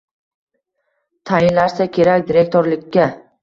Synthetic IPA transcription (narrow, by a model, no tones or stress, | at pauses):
t̪ʰajɪnlaɾsakʲʰe̞ɾakʲd̪iɾe̞k̚t̪oɾlɪkʲʰːa